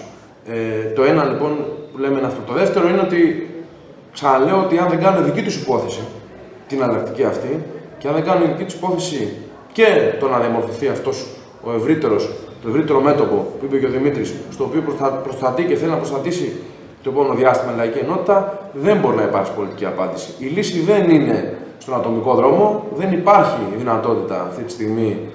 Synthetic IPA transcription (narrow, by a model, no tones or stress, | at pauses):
et̪o̞e̞nɐlipo̞npule̞menɐft̪ot̪o̞ðe̞ft̪e̞ɾo̞ineo̞t̪i | ksɐnɐle̞oot̪iɐnðeŋɡɐnuneðicit̪usipo̞θe̞si | t̪inɐlɐk̚t̪iciɐft̪iceɐnðeŋɡɐnuneiðicit̪u̥si̥po̞θe̞si | ce̞t̪o̞nɐðiɐmo̞ɾθoθiɐft̪o̞s | o̞e̞vɾit̪e̞ɾost̪o̞e̞vɾit̪e̞ɾo̞me̞t̪o̞po̞puipe̞ceo̞ðimit̪ɾisst̪o̞ːpio̞ppɾo̞st̪ɐt̪ice̞θelinɐpɾost̪ɐt̪isi | t̪o̞ipo̞meno̞ðiɐst̪imɐilɐicie̞no̞t̪i̥t̪ɐðe̞mbo̞ɾinɐipɐɾksi̥po̞lit̪iciɐpɐnd̪isi̥ilisiðe̞nine̞st̪o̞nɐt̪o̞miko̞ðɾo̞mo̞ðe̞nipɐɾçiðinɐt̪o̞t̪it̪ɐ̰ːft̪it̪i̥st̪iɣmi